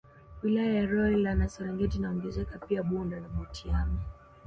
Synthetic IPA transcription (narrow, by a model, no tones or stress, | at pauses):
wilajajaɾɔlilanasɛɾɛŋɡɛtinaɔŋɡɛzɛkapiaɓundanaɓɔtʰiami